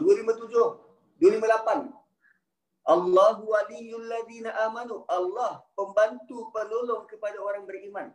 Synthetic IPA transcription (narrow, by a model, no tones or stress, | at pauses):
dualimãt̪ud͡ʒʊh | dualimãlapan | ʔalːaɦuwalijʊalːaðiːnaʔamanuʔalːahpəmbant̪upənolɔŋkəpadaoɾaŋbəriman